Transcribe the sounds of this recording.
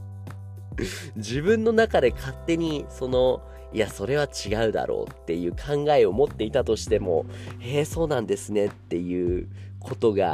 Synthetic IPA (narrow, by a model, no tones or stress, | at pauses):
ʑibɯ̟̃nːo̞nakad̪e̞kʰat̪ːe̞ɲ̟iso̞no̞ | iaso̞ɾe̞β̞at͡ɕiɡaɯ̟d̪a̰ɾo̞̰ːt̪ːe̞jɯ̟ːkʰãŋɡae̞o̞mo̞t̪ːe̞it̪at̪o̞ɕi̥t̪e̞mo̞̰ | eːso̞ːnãnd̪e̞sɨne̞t̪ːe̞jɯ̟ːkʰo̞t̪o̞ɡa̰